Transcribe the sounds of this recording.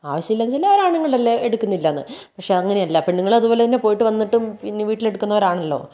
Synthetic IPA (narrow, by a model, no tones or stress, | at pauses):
aːʋɐɕjɐmilːanːt͡ɕilːaːʋɐɾaːɳniŋːɐɭɐlːeeɽukːunːilːɐnːɨ̰pɐkʂe̞ɐɐŋːɐnejɐlːaːpːeɳniŋːɐɭɐðubo̞ːlet̪ɐnːe̞po̞ːjiʈːɨʋɐnːiʈːumpinːeʋiːʈːile̞ɽukːunːɐʋɐɾaːɳɐlːo̞̰ː